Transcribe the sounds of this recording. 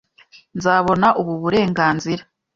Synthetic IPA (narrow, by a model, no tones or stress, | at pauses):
nzaːβo̞naʔuβuβuɾe̞ːŋɡaːnziɾa